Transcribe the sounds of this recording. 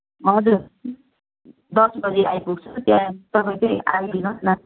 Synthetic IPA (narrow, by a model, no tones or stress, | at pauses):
ɦʌd͡zuɾ | d̪ʌsbʌd͡ziʔajpuɡ̚t͡sʰʌt̪jãt̪ʌpaĩkʌiʔa̰ɡlinʌsna